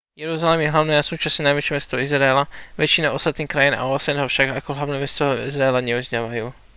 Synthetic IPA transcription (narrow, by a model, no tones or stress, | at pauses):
jɛɾuzalɛmjɛɦlaʊnɛːasuːt͡ʃasɲɛnajʋɛt͡ʃɛmɛst̪ɔizɾaɛlaʋɛt͡ʃinaɔst̪at̪niːxkɾajina̰ɔasɛnɛɦɔfʃaɡakɔɦlaʋnɛːmɛst̪ɔɦɔḭzɾaɛlaɲɛuzɲaːʋajuː